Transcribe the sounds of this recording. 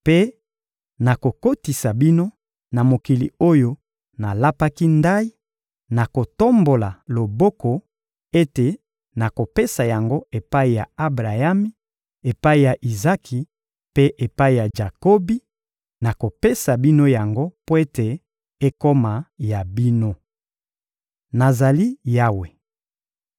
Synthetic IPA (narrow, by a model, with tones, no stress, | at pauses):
pe˦ | na˨ko˨ko˦ti˨sa˨bi˦no˦ | na˨mo˨ki˨lḭ˨o˦jo˦ | na˨la˦pa˦ki˦nda˦i˦ | na˨ko˨to˦mbo˨la˨lo˨bo˦ko˨ | e˦te˨ | na˨ko˨pe˦sa˨ja˨ŋɡo˦e˨pa˦i˨ja˨a˦bʁa˨ja˦mi˦ | e˨pa˦i˨ja˨ʔi˨za˦kʰi˨ | pe˦ʔe˨pa˦i˨ja˨ʒa˨ko˦bi˦ | na˨ko˨pe˦sa˨bi˦no˦ja˨ŋɡo˦po˦e˦te˨ | e˦ko˦ma˨ja˨bi˦no˦ | na˨za˨li˦ja˦we˨